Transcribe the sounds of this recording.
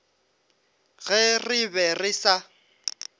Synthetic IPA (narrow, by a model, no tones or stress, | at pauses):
ɣɛrɪbɛrɪsa